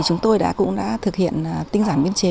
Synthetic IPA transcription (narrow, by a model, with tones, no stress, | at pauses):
t͡ɕʊ˨˦ŋ͡mt̪o˧jɗa̰ː˧˥kʊ̰˧˥ŋ͡mɗa̰ː˧˥t̪ʰɨ˨˩k̚hḭ˧˨ənː˨˩t̪ï˧ŋ̟zaː˧˩nɓi˧ənt͡ɕe˨˦